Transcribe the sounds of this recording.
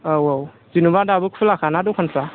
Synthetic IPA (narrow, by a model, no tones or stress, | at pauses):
awaw | zinubadabɯkpʰulakʰanadɔkʰanpʰɾa